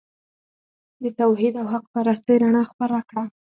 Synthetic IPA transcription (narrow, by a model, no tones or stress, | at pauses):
d̪ət̪awhid̪awhaq̚paɾast̪əjɾaɳɑxpaɾakɽa